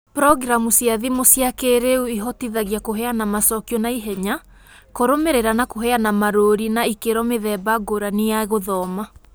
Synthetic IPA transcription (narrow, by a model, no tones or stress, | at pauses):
pɾɔɡɾamusjaðimosjakeɾeuiɦɔtiðaɣjakoɦɛanamasɔkjɔnaiɦɛɲa | koɾomeɾeɾanakoɦɛanamaɾoɾinaikeɾɔmeðɛːbaɡoɾanejaɣoðɔma